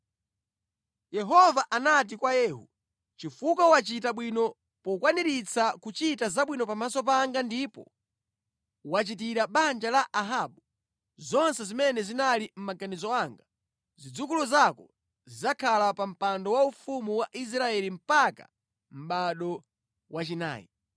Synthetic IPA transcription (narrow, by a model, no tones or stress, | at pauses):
jɛɦɔvaʔanat̬ikwajɛːɦṵ | t͡ʃifukawat͡ʃitaɓwinɔ | pɔkwaniɾit͡sʰakut͡ʃitazaɓwinɔpamasɔp̬aŋɡandipɔ̰ | wat͡ʃit̬iɾaɓand͡ʒalaʔaɦaːɓu | zɔnsɛzimɛnɛzinalim̩maɡanizɔaŋɡa | zid͡zukuluzakɔ | zizakʰalapam̩pandɔwaufumuwaʔis̬ɾaɛlim̩paka̰ | m̩ɓaɗɔ | wat͡ʃina̰ːjḭ